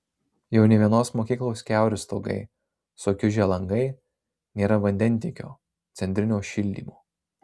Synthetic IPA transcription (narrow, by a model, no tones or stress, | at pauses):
jɛʊnʲɛʋʲiɛnoːsmoːkʲiːklˠoːskʲæˑʊɾʲʊst̪oːɡɐ̰ɪ | soːkʲʊʒʲɛlˠɐŋɡɐɪ | nʲeːɾɐʋɐnʲd̪ʲɛnʲˑt̪ʲeːkʲo̰ː | t̪sʲɛnʲt̪ʲɾʲɪnʲoːʃʲɪlʲd̪ʲḭːmoː